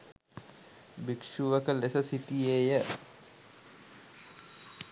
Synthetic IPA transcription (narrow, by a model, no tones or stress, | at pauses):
bikʂuʋəkəlesəsiʈieːjə